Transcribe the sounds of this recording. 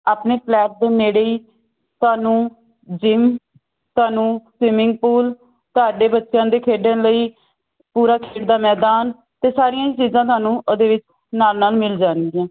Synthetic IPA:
aːpneːpʰlɛːʈ̚d̪ːmeːɽeːiː | t̪ʊaːnũː | d͡ʒɪm | t̪ʊaːnũːsɪmɪŋɡ̚puːl | t̪ʊaːɖeːbətːʃjãːd̪eːkʰeːɖẽnləiː | puːɾaːkʰeːɖd̪aːmɛːd̪aːn | t̪eːsaːɾɪjãːit͡ʃiːzãːt̪̬ʊwaːnũːʔd̪eːʋɪt͡ʃ | naːlnaːlmɪld͡ʒãːnd̪ɪːãː

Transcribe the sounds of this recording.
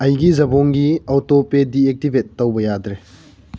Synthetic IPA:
ɐjɡizɐboŋɡiawtopediek̚tibʱetːɐwbɐjadɾe

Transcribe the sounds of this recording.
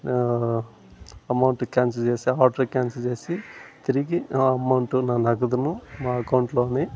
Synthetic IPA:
ɐmɐwɳʈukʲaːnsɐt͡ʃeːsiaːʈɐkʲaːnsɐt͡ʃe̞ːsit̪iɾiɡiɐmɐwɳʈunaːnɐɡɐd̪unumaːɐkɐwɳʈlo̞ːneː

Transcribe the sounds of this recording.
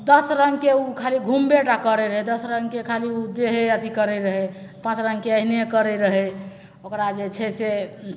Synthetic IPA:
d̪əsɾəŋɡkeukʰaliɡʱumbeʈakəɾɛɾəɦɛd̪əsɾəŋɡkekʰaliud̪eɦeət̪ʰikəɾɛɾəɦɛpãt͡ʃɾəŋɡkeəɦinekəɾɛɾəɦɛ | okɾad͡ʒet͡ʃʰɛse

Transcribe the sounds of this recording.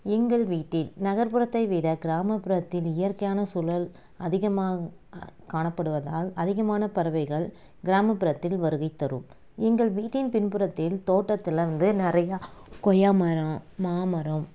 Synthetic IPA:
ɛŋɡɐɭʋiːʈːɪlnɐɣɐɾpɯɾɐt̪ːɐɪʋiːɽɐɡɪɾaːmɐpːɪɾɐt̪ːɪlɪjɐrkɐjaːnɐsʊlɐl | ɐðɪɣɐmaː | kaːɳɐpːɐɽɯʋɐða̰ːlɐðɪɣɐmaːnɐpɐɾɐʋɐɪɣɐɭ | ɡɪɾaːmɐpːɪɾɐt̪ːɪlʋɐɾɯɣɐɪt̪ːɐɾɯ̰m | ɛŋɡɐɭʋiːʈːɪnpɪnpɯɾɐt̪ːɪlt̪oːʈːɐt̪ːɪlɐʋɐnd̪ɯnɪrɐjɐkɔjamɐɾɐmaːmɐɾɐm

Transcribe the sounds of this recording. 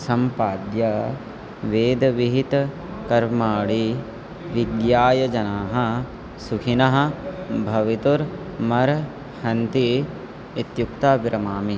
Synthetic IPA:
sɐmpaːd̪jɐ | ʋeːd̪ɐʋiɦit̪ | kɐɾmaːɽi | ʋid̪jaːjɐd͡ʒɐnaːɦɐ̆ | sukʰinɐɦɐ̆bʱɐʋit̪uɾ | mɐɾ | hɐnt̪i | it̪juk̚t̪aːbɾɐmaːmi

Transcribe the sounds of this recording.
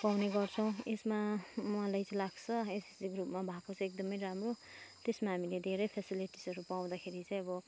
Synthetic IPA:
pawneɡʌrt͡sʰʌ̃w̃esmamʌalajt͡sʌlaɡt͡sʰʌesiɡrupmabʱakot͡sʰʌekd̪ʌmʌjɾamrot̪esmaɦamiled̪ʱeɾʌjpʰesiliʈisʌɾupaw̃d̪akʰeɾit͡sãĩʌbʌ

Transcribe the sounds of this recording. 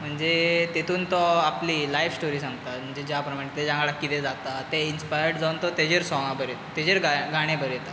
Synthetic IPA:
m̤əɳd͡zet̪et̪ʰuːnt̪ɔapliːlajʋsʈoɾiːsãŋɡt̪am̤əɳd͡zed͡ʑapɾəmaɽ̃ẽt̪ed͡ʑãŋalakit̪ɛd͡zat̪at̪einspajəɾɽd͡zaunt̪ɔt̪ed͡ʑeɾsɔŋabəɾe | t̪ed͡ʑeɾɡaɡʱaɽ̃ẽbəɾet̪a

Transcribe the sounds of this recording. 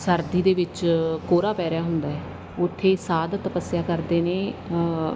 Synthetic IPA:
səɾd̪iːd̪eːʋɪt͡ʃkoːɾaːpɛːɾɪjaːɦʊnd̪aːɦɛː | ʊt̪ʰːeːsaːd̪t̪əpəsjaːkəɾd̪eːneː

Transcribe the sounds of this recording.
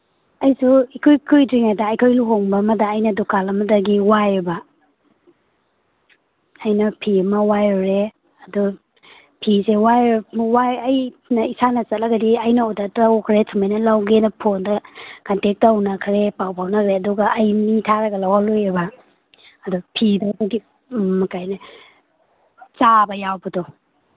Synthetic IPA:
ɐjsuikʰujkʰujdɾiŋadaːjkʰojluɦoŋbɐmɐdɐːjnɐdukalɐmɐdɐɡiwajeba | ɐjnɐpʰiɐmɐwajaɾe | ɐdu | pʰisewajwajɐjnɐisanɐsɐt̚laɡadiɐjnaɔdatawkʰɾetʰumajnɐlawɡenɐpʰondɐkantek̚tawnɐkʰɾepawpʰawnɐkʰɾeɐduɡɐʔːjmiŋtʰaɾɐɡɐlawalujebaː | dupʰidaɡadi | mɐkajnɐ | t͡ʃabɐjawbɐdɔ

